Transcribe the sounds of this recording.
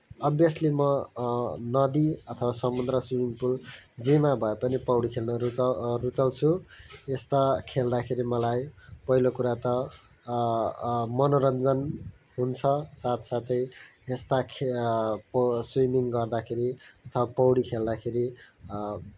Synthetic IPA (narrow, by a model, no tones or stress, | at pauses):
ʌbjʌslimʌ | nʌd̪iʌt̪ʰʌwasʌmund̪rʌswimiŋpuld͡zimabʱʌepʌnipʌwɽikʰelnʌrut͡saw̃t͡sʰuest̪akʰeld̪akʰeɾimʌlajpʌɦilokuɾat̪ʌ | mʌnoɾʌnd͡zʌn | ɦunt͡sʰʌsat̪ʰsat̪ʌj | est̪akʰ | pswimiŋɡʌrd̪akʰeɾiʌt̪ʰʌwapʌwɽikʰeld̪akʰeɾi